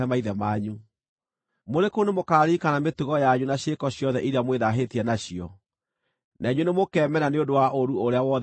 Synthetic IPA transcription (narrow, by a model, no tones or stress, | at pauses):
ɛmaiðɛmaːɲu | moɾekonemokaːɾiːkanametuɣɔjaɲunaɕekɔɕjɔðɛʔiɾiamweðaɦetiɛnaɕiɔ | naiɲwenemokɛːmɛnaneondowaʔoɾuoɾeawɔð